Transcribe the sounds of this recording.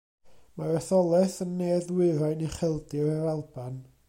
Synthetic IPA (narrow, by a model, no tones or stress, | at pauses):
marɔθɔlˠɛθənːeːðwɪɾajniχɛlˠdɪɾaɾalˠban